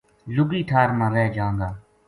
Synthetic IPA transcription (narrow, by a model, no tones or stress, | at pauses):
lʊɡiːʈʰaːɾmãːɾɛːd͡ʒãːŋɡaː